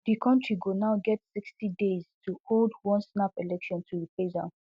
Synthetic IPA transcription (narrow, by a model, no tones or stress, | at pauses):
dikʰɔ̃ntʰɹiɡunaʊɡɛtsikstidez̥tʰuholdwɔ̃nsnapelɛkʃɔ̃ntʰuipezã̰